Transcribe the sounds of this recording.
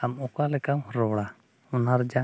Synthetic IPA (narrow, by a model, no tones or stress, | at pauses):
amɔkalɛkamɦɔɾɔwɽa | ɔnaɾd͡ʒa